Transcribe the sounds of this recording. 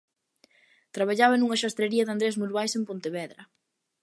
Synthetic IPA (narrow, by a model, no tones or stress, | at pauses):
t̪ɾaβ̞aʎaβɐnuŋɐʃast̪ɾeɾiɐðand̪ɾesmuɾβajsempont̪eβɛðɾɐ